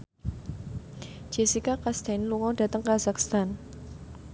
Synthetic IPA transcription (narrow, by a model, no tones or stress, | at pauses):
d͡ʒ̥ɛsikakast̪ɛnluŋɔdä̤t̪əŋkazakst̪an